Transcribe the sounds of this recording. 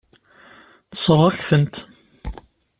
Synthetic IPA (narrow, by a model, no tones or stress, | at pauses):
θə̥sˤərˤːæçθənt̪